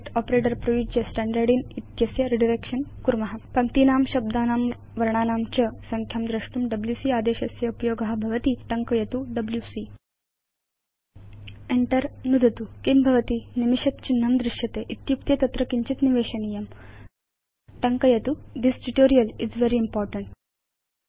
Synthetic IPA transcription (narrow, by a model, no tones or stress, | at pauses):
ʈɔpɾeːʈɐɾpɾɐʋid͡ʑjɐsʈæɳɖɐɾɖiːnit̪jɐsjɐɾiɖiɾekʂɐnkuɾmɐɦapɐŋt̪inaːmɕɐb̚d̪anaːm | ʋɐɾɳaːnaːmt͡ɕɐsɐŋkʰjɐmd̪ɾɐʂʈumɖɐbljusiːaːd̪eːɕɐsjɐupjoːɡaɦabʱɐʋɐt̪iːʈɐŋkɐjɐt̪uɖɐbljusi | eɳʈəɾnud̪ʱɐt̪ukimbʱɐʋɐt̪iːnimiɕɐt̪̚t͡ɕinːɐmd̪ɾiʃjɐt̪eʔit̪juk̚t̪jɐt̪ɐt̪ɾɐkiɲt͡ɕit̪niʋeːɕɐnijɐm | ʈɐŋkɐjɐt̪ud̪isʈiʈoːɾijɐlizʋeɾiːmpɔːɾʈɐɳʈ